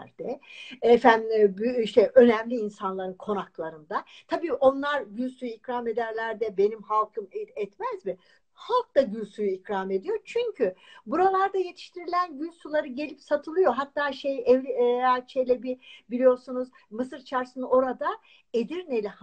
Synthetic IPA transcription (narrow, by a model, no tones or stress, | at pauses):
ɾd̪̥ɛɛfænbyiʃt̪ʰɛʔø̞nɛmlʲiːnsanlˠaɾɯnkʰo̞naklˠaɾɯnd̪at̪ʰabiːʔo̞nlˠaɾɟylʲsujuicɾaːme̞d̪æɾlʲæɾd̪ɛbe̞nimhalˠkʰɯmɛt̪mɛzmi | halˠk̚d̪aɟylʲsujuicɾame̞d̪ijo̞t͡ʃʰyɲcʰybuɾalˠaɾd̪aje̞t̪ʰi̥ʃt̪ʰiɾilʲænɟylʲsulˠaɾɯɟe̞lʲipsat̪ʰɯlˠɯjo̞ɦat̪ʰːaːʃejɛvʲat͡ʃʰejlʲɛbibilʲijo̞ɾsunuz | mɯsɯɾt͡ʃʰaɾsɯno̞ɾad̪a | ed̪iɾnelʲɛh